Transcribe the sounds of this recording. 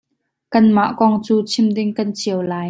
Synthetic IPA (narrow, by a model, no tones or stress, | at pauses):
kɐnmaʔkɔŋt͡suːt͡sʰɪmdɪŋkɐnt͡sʰiəwlaːj